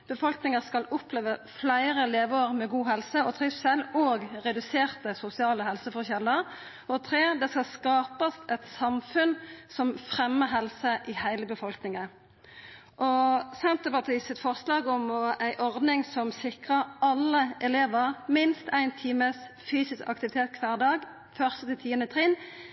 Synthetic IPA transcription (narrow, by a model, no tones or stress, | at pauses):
b̥əfɔlknɪŋəskɑlʊpleːʋəflæɪʁəleːʋoːʁmɛɡuːɦɛlsəɔt̪ʰʁɪsɛloːɡʁɛd̪ʉseːʁt̪əsʊsɪɑːləɦɛlsəfɔʁçɛlːəʁ | ɔt̪ʰʁeːd̪ɛskɑlskɑːpəst̪ɛt̪sɑmfʉnsɔmfʁɛmːəɦɛlsəʔɪhæɪləbəfɔlknɪŋə | ʔɔsɛnt̪əpɑʁt̪ʰiːsɪt̪fɔʁslɑːɡɔmɔæɪʔɔʁd̪nɪŋsɔmsɪkʁəʁɑlːəʔɛleːʋəʁmɪnst̪æɪnt̪ʰiːməs | fyːsɪskɑ̰k̚t̪ɪʋɪt̪ʰeːt̪̚kʰʋɑːʁd̪ɑːɡ | fœʁst̪ət̪ɪt̪ʰiːənət̪ʰʁɪn